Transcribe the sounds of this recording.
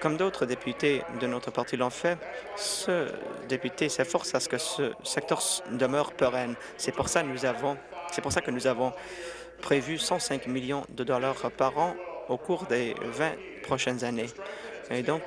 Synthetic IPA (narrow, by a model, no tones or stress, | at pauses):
kɔmd̪ot̪χəd̪epyt̪ed̪ənɔt̪χəpaʁt̪ilɑ̃fɛsə̰d̪epyt̪esɛfɔʁsasə̥kəsəsɛk̚t̪œʁd̪əmœʁpəʁɛn | sɛpuʁsanuzavɔ̃sɛpuʁsakənuzavɔ̃ | pχevysɑ̃sɛ̃kmiljɔ̃d̪əd̪ɔlaʁpaʁɑ̃okuʁd̪evɛ̃ | pχɔʃɛnzaneed̪ɔ̃k